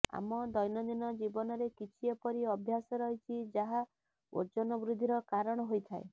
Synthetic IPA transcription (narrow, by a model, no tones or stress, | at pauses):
a̰mɔd̪ɔjnɔd̪inɔd͡ʒibɔnɔɾekit͡ʃʰiepɔɾiɔbʱjasɔɾɔɦit͡ʃʰid͡ʒaɦa | o̰d͡ʒɔnɔbɾud̪ʱiɾɔkaɾɔɽ̃ɔɦojt̪ʰae